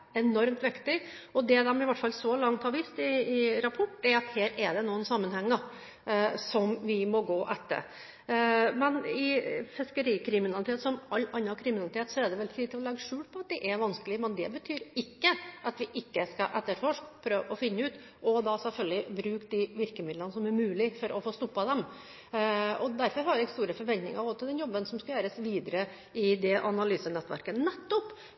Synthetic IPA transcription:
ɛnɔɾmt̪ʋɪkt̪ɪ | ɔd̪ɛd̪ɛmɪʋɑʈːfɑlːsɔlɑŋt̪ʰɑːʋiːst̪ɪɪɾɑpʰɔʈːɛɾɑt̪heːɾɛɖɛnuːənsɑmːənhɛŋːɑ | sɔmʋɪmɔɡoːʔɛt̪ːə̰ɾ | mɛnɪfɪskəɾiːkʰɾɪmɪnɑlɪt̪ʰeːt̪sɔmɑlːɑnːɑkʰɾɪmɪnɑlɪt̪ʰeːt̪sɔɛɖɛʋɛlt̪ʰiːd̪̚ɪlɔlɛɡːəʂʉːlpʰɔɑt̪̚d̪ɛʔɛɾʋɑnskəlɪəmɛnd̪ɛ̰bət̪ʰyːɾɪkːəʔɑt̪ʋɪʔɪkːəskɑʔɛt̪ːəɾfɔʂkpʰɾøːʋɔfɪnːəʉːt̪ | ʔɔd̪ɑsɛlfœlɡlɪbɾʉːkd̪ɪʋɪɾkəmɪd̪lənəsɔmæɾmʉːlɪfɔɾʔɔfoːst̪ɔpːɑd̪ɛm | ɔd̪æɾfɔɾɦɑɾʋæɪɡst̪uːɾəfɔɾʋɛnt̪nɪ̰ŋəɾɔsɔd̪ɛnjɔbːənsɔmskɑjøːɾəsʋiːd̪əɾə | ɪd̪ɛʔɑnɑlyːsənɛt̪ːʋæ̰ɾkənɛt̪ːɔpː

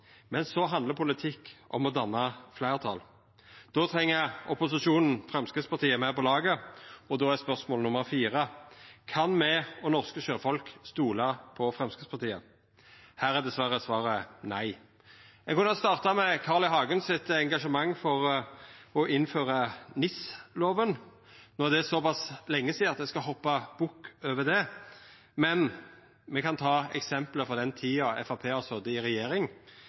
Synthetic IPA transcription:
mɛnsɔɦɑnd̪ləʁpʰʊlɪt̪ʰɪkːʔɔ̰mɔd̪ɑnːɑflæɪʁt̪ʰɑ̰l | d̪̥ɔːt̪ʰɾɛŋːəɔpʊsɪʃuːnn̩fʁɛmskəspɑʁt̪ʰiːəmæpɔlɑːɡəɔd̪oːæspœʁsmɔːlnʊməɾʁfiːʁəkʰɑnmɛɔnɔʁskəʃøːfɔlkst̪uːlɑpʰɔfɾʁɛmskəspɑʁt̪ʰiːə | hæːɾæd̪ɛsʋæʁəsʋɑːɾənæɪ | ɛkɔnst̪ɑːʁt̪ɑmɛkʰɑːʁlɪɦɑːɡənsɪt̪ɛŋɡɑʂəmɑŋːfɔʁ | ɔʔɪnføːʁɑnɪsloːʋən | nɔʁd̪ɛsɔpɑslɛŋːəsiːɑt̪d̪ɛskɑɦɔpːɑb̥ʊkːøːʋəd̪ɛ | mɛn | mɛkɑnt̪ʰɑːɛ̰ksɛmpləfɔʁd̪ɛnt̪ʰiːɑɛ̰fɑpʰeːɔsɔd̪əɪɾɛjeːɾɪŋ

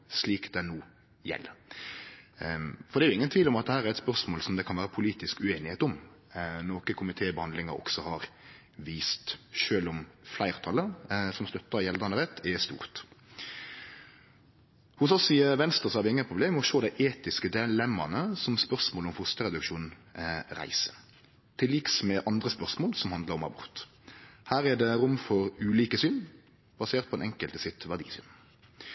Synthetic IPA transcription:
sliːkd̪ɛnuː | jɛ̰lːə | fɔɾd̪ɛːjʊɪŋənt̪ʰʋiːlɔmɑt̪̚d̪ɛhæːɾæɾɛt̪spœʁsmoːlsɔmd̪ɛkʰɑnʋæːɾəpʰʊliːt̪ɪskʉeːnɪheːt̪ɔmnoːkəkʰʊmɪt̪ʰeːbəhɑnd̪lɪŋəɾɔ̰ksɔhɑɾ | ʋiːst̪ʃøːlɔmflæɪʁt̪ʰɑlːəsɔmst̪œt̪ːɑjɛld̪ɑnəʁɛt̪ʰːɛst̪ṵːʁt̪ | hʊsɔsɪʋɛnst̪ʁəsɔhæɾʋɪɪŋːənpʰʁʊbleːmɔʃoːd̪æɪʔeːt̪ɪskəd̪ɛlɛmːɑ̰nəsɔmspœʁsmoːlɔmfʊst̪əʁɛd̪ʉkʃuːnʁæ̰ɪsə̥ | t̪ʰɪliksmɛʔɑnd̪ʁəspœʁsmoːlsɔmhɑnd̪ləʁɔmɑ̰bʊ̰ʁt̪ | hæːʁɛd̪ɛʁʊmfɔʁʉːliːkəsyːn | bɑseːʁt̪̚pɔɛnɛŋkəlt̪ɪsɪt̪ʋæʁd̪ḭːsy̰ːn

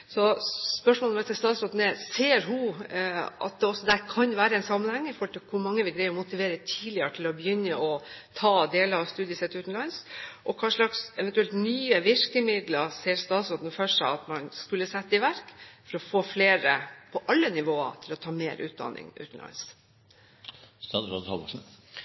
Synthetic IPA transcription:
sɔspœʂmɔːlʋɛsɛst̪ɑːt̪sɾoːd̪n̩ɛseːɾɦʉ | ɑ̰t̪̚d̪ɛɔsːɔd̪æɾkʰɑnʋæːɾəɛnsɑmːənhɛŋːəɪfɔɾʈ̪ɪlkʰʊɾmɑŋːəʋɪɡɾæɪɾɔmʊt̪ɪʋeːɾət̪ʰiːlɪəʈʰɪlɔbəjʏnːəʔɔt̪ʰɑːd̪eːləɾɑʋst̪ʉːd̪ɪəsɛt̪ʉːt̪n̩lɑnsʔɔkʰɑːʂɭɑksɛʋɛnt̪ʉɛlt̪nyːəʋɪɾkəmɪd̪ləseːɾst̪ɑːt̪sɔnd̪n̩fœʂɑ̰ɑt̪mɑnskʉlːəsɛt̪ːəɪʋæɾkfɔɾɔfoːfleːɾəpʰɔʔɑlːənɪʋoːə̰t̪ʰɪlɔt̪ʰɑːmeːɾʔʉ̰ːt̪̚d̪ɑ̰nɪ̰ŋʉ̰ːt̪n̩lɑ̰ns | t̪ɑd̪ɾɑ̰ɑ̰

